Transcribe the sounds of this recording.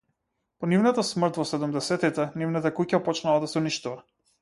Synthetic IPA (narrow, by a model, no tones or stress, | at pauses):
pɔnivnat̪asmr̩t̪vɔsɛd̪umd̪ɛsɛt̪it̪ɛnivnat̪akucapɔt͡ʃnalˠad̪asɛuniʃt̪uva